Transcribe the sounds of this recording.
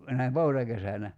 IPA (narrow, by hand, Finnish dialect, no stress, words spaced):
næim poutɑkesænæ